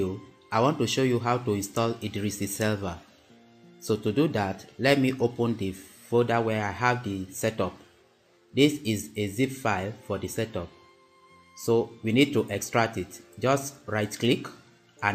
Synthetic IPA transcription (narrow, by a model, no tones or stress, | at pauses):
aɪwɔ̃ntuʃojuɦawtuĩnstɔlidɹisisɛlvə | sotududatlɛt̚miʔopɔ̃ndifodawɛaɪɦavdisɛtɔp̚ | disizezipfaɪlfɔdisɛtɔp̚ | sowinid̚tuʔɛkstɹak̚titd͡ʒɔstɹaɪtklik | ã